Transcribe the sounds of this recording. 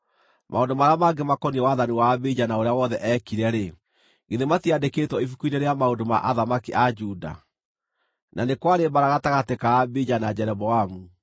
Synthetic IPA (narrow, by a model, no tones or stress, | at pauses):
mʔaondomaɾaamaɡemakɔniɛwaːðaniwaːbed͡ʑanaoɾeawɔðɛʔɛkiɾɛɾe | ŋɡeðematiadeketwɔifukuineɾeamaondoma̰ʔaðamakiʔad͡ʒuda̰ | nanekwaɾemaɾaɣataɣatekaːbed͡ʒanad͡ʑɛɾɛbɔamu